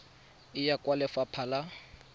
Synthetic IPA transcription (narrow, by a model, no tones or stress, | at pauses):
ɪjakʼwalɛfapʰala